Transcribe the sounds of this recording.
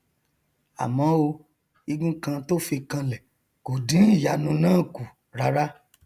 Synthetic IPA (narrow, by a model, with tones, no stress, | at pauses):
a̰˨mɔ̃˨˦o˧ | i˧ɡũ˦kã˧to˦fi˧kã˧lɛ˨ | ko˨dĩ˨˦n̩˦˨ja˨˦nũ˧nãː˦˨ku˨ | ɾa˨˧ɾa˦